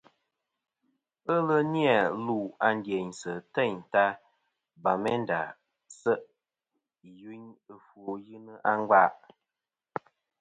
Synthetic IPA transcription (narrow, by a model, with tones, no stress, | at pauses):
ə˦lə˦ni˦a˨lu˦˨a˨n˦dje˨ɲsə˨tɛ˦˨ɲ˨ta˦ | ba˨mɛ˦n˦da˨ | sə˦ʔ | ju˦ɲɨ˦fo˨jɨ˦nɨ˦ʔa˦ŋ˦ɡa˦˨ʔ